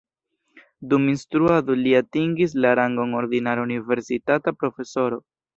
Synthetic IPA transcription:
duminstɾuado̞liatiŋɡis̬laɾaŋɡoŋo̞ɾdinaɾaunive̞ɾsitatapɾo̞fe̞so̞ɾo̞

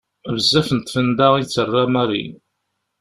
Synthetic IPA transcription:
vəzːæfənt̪ˤːfənd̪ait͡sːərˤːamaɾˤḭ

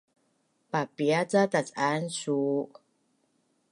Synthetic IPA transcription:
papiat͡sat̪at͡sansuː

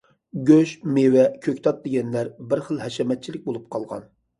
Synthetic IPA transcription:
ɡʲøʃmewɛkʲʰøkʲt̪ʰɑt̪̚d̪eɡʲɛnlæɾbɪɾχəlˠhɛʃɛmɛt̪̚t͡ʃʰilɪk̚ʲbolˠup̚qʰɑlˠʁɑ̰n

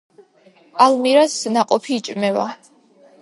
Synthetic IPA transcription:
almiɾasnaqʼɔpʰiːt͡ʃʼmɛva̰

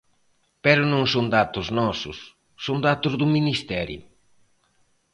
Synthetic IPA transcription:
pɛɾʊnõŋsoŋd̪at̪ʊznɔsʊ̰sː | ond̪at̪ʊzðʊminist̪ɛɾjʊ̰

